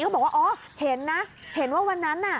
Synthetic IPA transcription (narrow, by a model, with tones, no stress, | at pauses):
kːbɔ˨˩kwaː˥˧ʔɔː˨˦ | he˨˩˦nːa˦˥he˨˩˦nwaː˥˩wa˧nːa˦˥nːa˧˩